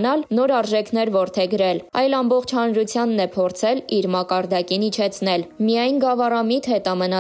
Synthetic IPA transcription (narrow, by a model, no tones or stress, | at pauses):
nɑlnɔɾɑɾʒɛkʰn̪ɛɾvɔɾt̪ʰɛɡəɾɛlɑjlɑmbɔχt͡ʃʰhɑnɾut͡sʰjɑnːɛpʰɔɾt͡sʰɛliɾmɑkɑɾd̪ɑkinit͡ʃʰɛt͡sʰnɛlmijɑjnɡɑvɑrɑmit̪hɛt̪ɑmənɑ